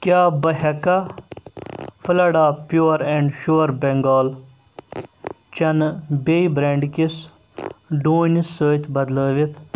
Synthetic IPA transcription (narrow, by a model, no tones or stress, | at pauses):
kʲaːbɐɦɐka | fʰəlɐɽaːpjoːɾẽːɳɖʃuːɾbẽŋɡɔːl | t͡ʃɐnbeibɾẽːɳɖkis | ɖuːnisːəːt̪ʰbɐd̪ləːʋit̪ʰ